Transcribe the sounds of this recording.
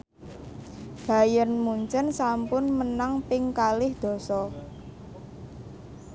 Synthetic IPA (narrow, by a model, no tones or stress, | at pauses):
ɡ̥a̤jənmuɲt͡ʃənsampʊnmənaŋpɪŋkalɪhd̪̥ɔ̤sɔ